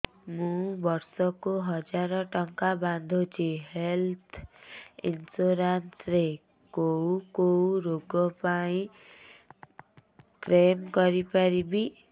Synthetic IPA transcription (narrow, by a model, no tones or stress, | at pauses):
mubʌrsʌkoɦʌd͡zaɾʌʈʌŋkaband̪ʱot͡sʰiɦelt̪ʰḭnsoɾansre | kowkowɾoɡɔpaĩ | kremɡʌɾipaɾibi